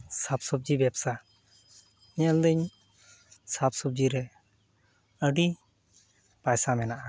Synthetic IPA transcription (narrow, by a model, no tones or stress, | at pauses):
sap̚sɔb̚d͡ʒibjɛbsa | iɲəld̪əɲ | sap̚sub̚d͡ʒiɾɛ | əɖi | pajsamɛnaʔa